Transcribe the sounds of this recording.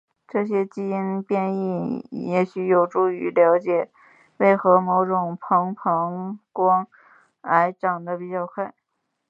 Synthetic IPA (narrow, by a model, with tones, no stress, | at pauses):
ʈ͡ʂɤ˥˩ɕjɛ˥t͡ɕi˥i˥npjɛ˥˧ni˥˩jɛ˨˩ɕy˧˥jo˨˩ʊʈ͡ʂu˥˩y̰˧˥ljɑ˧˥ʊt͡ɕjɛ˨˩ | we˥˩ɪxɤ˧˥mo˧˥ʊʈ͡ʂʊ˨˩ŋpʰɤ˧˥ŋpʰɤ˧˥ŋkwɑ˥ŋ | a˧˥ɪʈ͡ʂɑ˨˩ŋd̪ə˦pi˨˩t͡ɕjɑ˥˧ʊkʰwe˥˩ɪ